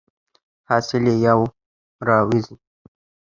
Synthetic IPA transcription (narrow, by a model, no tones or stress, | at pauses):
hɑsɪlejaw | ɾɑwizi